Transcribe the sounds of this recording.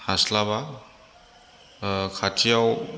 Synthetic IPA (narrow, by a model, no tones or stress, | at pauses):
haslaβa | kʰatʰijaw